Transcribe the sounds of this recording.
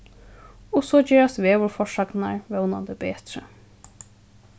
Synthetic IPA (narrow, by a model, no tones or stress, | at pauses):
ɔsoːd͡ʒeːɹast̪ʋeːʋʊɹfɔʂaknaɹʋɛwna̰nd̪əbeːt̪ɾə̰